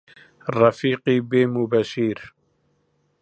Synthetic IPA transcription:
rafiːqiːbeːmubaʃiːɾ

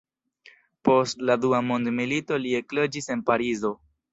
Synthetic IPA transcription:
po̞stladuamo̞ndmilito̞lie̞klo̞d͡ʒise̞npaɾizo̞

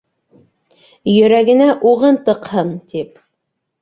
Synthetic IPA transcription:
jɵ̆ɾæɡɘ̆næʔuʁɤnt̪ɤ̆qhɤnt̪ip̚

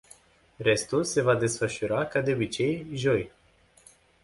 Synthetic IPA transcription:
re̞st̪ulse̞vad̪e̞sfəʃuɾakad̪e̞obit͡ʃe̞jʒo̞j

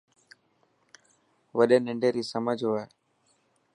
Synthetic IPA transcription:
ʋəɗẽːnɪɳɖeːɾiːsəməd͡ʒʱae

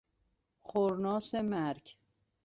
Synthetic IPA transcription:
xoɾnɒːsemæɾkʰ

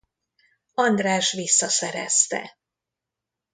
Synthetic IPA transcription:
ɒnd̪raːʃʋisːɒsɛɾɛ̰st̪ɛ̰

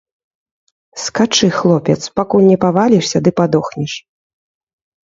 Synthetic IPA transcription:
skat͡ʂɨxlˠɔpʲɛt̪spakulʲnʲɛpavalʲiʂsʲɐd̪ɨpad̪ɔxnʲiʂ

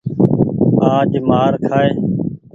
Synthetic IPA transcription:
aːʄmaːɾkʰaːeː

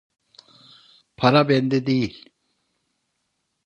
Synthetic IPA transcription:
pʰaɾabɛnd̪ɛd̪ejilʲ

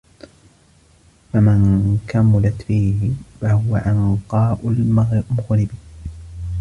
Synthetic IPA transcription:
famɪnkamʊlat̪fiːhɪfahʊwaʕɪnqɑːʔʊlmʊɣɾɪb

